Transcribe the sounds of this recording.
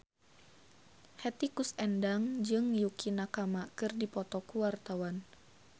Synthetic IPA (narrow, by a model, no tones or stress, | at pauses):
hɛt̪ikusɛndaŋd͡ʒɨŋjukʰinakamakɨrdipɔt̪ɔkuwart̪awan